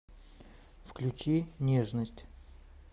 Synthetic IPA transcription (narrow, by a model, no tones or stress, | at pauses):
fklʲut͡ɕinʲeʐnəsʲtʲ